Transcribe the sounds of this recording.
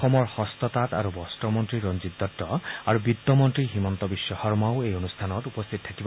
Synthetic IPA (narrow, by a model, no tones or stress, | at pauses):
ɔmɔɹhɔst̪ɔt̪at̪a̰ɾubɔstɔmɔntɹiɹɔnd͡ʒit̪ːɔtːɔaɹubid̪ːɔmɔntɹiɦimɔnt̪ɔbisjɔxɔɹmaʊejonust̪ʰanɔtupɔst̪ʰit̪ɔtʰakib